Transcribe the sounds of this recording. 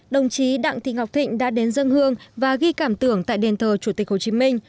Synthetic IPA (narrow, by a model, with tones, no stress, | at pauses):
ɗə˨˩wŋ͡mt͡ɕi˨˦ɗa̰ː˧˨ŋt̪i˨˦ŋ̟ha˨˩wk͡p̚t̪ʰḭ̈˧˨ŋ̟ɗa̰ː˧˥ɗe˨˦nzə˧ŋhɨ˧əŋvaː˨˩ɣi˧kaː˧˩mt̪ɨ˧˩əŋt̪a̰ː˧˨jɗe˨˩nt̪ʰəː˨˩t͡ɕu˧˩t̪i̟˨˩ho˨˩t͡ɕi˨˦mï˧ŋ̟